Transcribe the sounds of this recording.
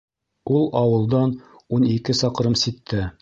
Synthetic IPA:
ulˠɑwɤ̆lˠd̪ɑn | unikɘsɑqɾɤmsit̪ːɘ

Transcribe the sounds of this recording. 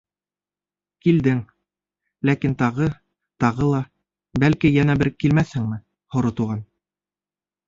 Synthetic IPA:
kild̪ɘŋ | lækint̪ɑʁɤ | t̪ɑʁɤlˠɑ | bælkijænæbɘɾkilmæθhɘŋmɘ | hŏɾŏt̪uʁɑn

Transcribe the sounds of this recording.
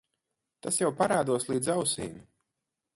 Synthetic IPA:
t̪asjawpaɾaːd̪uɔslˠiːd̪zawsḭːnʲi

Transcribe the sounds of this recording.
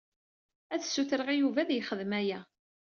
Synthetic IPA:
æθsːuθəɾəʁijuvæðjəχəðəmæjæ

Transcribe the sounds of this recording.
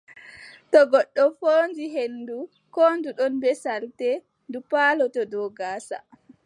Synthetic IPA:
tɔɡɔɗːɔfoːnd͡ʒiɦenːdu | koːnduɗɔnbɛsaltɛ | ndupaːlɔtɔdɔɡaːsa̰

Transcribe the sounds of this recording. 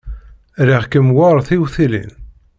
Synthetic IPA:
ɾiʁkəmwaɾˤθiwθilḭn

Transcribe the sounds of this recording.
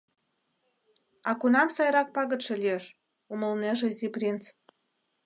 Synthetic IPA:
ɑkunɑmsɑjɾɑk̚pɑɣə̆t̪ʃĕlʲieʃ | uməlneʒĕzʲiprʲint͡s

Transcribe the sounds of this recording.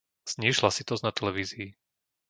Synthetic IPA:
z̥ɲiːʃlasit̪ɔznat̪ɛlɛʋiːziː

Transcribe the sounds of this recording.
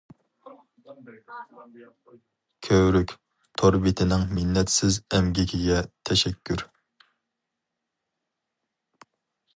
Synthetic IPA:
kʲʰøwɾykʲ | t̪ʰoɾbɪt̪ʰɪnɪŋmɪnːɛt̪sɪzɛmɡʲikʲʰiɡʲɛt̪ʰɛʃɛkʲːyɾ

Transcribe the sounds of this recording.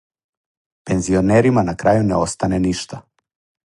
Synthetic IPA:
pɛnzionɛɾimanakɾajunɛost̪anɛniʃt̪a

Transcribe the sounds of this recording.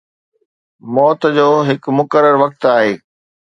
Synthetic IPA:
mɔːt̪̆d͡ʑoːɦɪkmʊkəɾəɾʋɐk̚t̪aːɦeː

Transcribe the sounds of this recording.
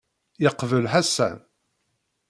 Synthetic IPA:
jəqvəlħasæ̰n

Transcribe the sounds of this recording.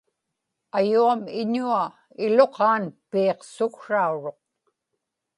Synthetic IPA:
ajuamɪɲua | ɪlo̞qɑːnpiːqsʊkʂauɻo̞q̚

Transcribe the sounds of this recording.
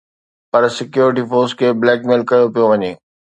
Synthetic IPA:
pɐɾsɪkjuːɾɪʈ̬ifoːɾskʰeːblɛːkmeːlkɐjopijoʋɐɲeː

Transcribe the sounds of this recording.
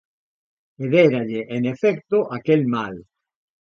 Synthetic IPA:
eðeɾaʎeʔenefɛkt̪oʔakelmal

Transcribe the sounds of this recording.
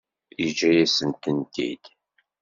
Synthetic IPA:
id͡ʒæjæsənt̪ənt̪ḭd̪̥

